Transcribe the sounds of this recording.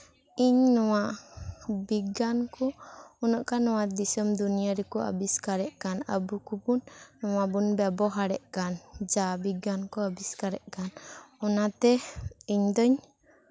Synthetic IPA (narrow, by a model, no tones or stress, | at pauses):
iɲnɔwaʔ | biɡankɔːnɔʔkanɔwad̪isɔmd̪unijaɾɛkɔa̰biskaɾɛʔkana̰bukupunːɔwabunbɛbɔɦaɽɛʔkand͡ʒabiɡankɔabiskaɾɛʔkanɔnat̪ɛiɲd̪ɔɲ